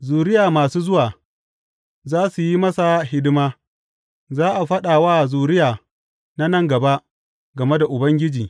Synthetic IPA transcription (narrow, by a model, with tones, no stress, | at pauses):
zuː˨ɾɪ˦jaː˨maː˨suː˦zʊ˦waː˨ | zaː˦su˨ji˦mɐ˦sa˨hɪ˦dɪ˦maː˦ | zaː˦ʔa˨ɸɐ˦ɗaː˨waː˦˨zuː˨ɾɪ˦jaː˨ | na˦nɐ˦ŋɡɐ˨ba˦ʔ | ɡɐ˨me˦da˨ʔʊ˨bɐ˦ŋɡʲɪ˦d͡ʒiː˨